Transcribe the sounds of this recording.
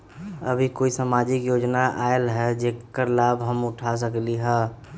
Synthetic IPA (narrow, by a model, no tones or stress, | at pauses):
ə̰bʱikoːisaːmaːd͡ʒɪkjoːd͡ʒnaʔaːelɦɛd͡ʒekːəɾlaːbɦəmʊʈʰas̬əkliɦɛ